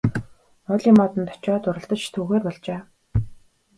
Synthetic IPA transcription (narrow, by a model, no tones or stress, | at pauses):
ɔɮʲiːmɔt̪ə̆nt̪ʰɔ̥t͡ɕɔːt̪ʊɾə̆ɬt̪ə̆t͡ɕt̪ʰuːɣeːrpɔɮt͡ɕeː